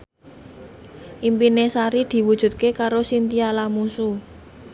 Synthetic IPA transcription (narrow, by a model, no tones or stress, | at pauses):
ʔimpinesaɾid̪̥i̤wud̥ʒ̥ṳt̪̚kekaɾosint̪ialamusu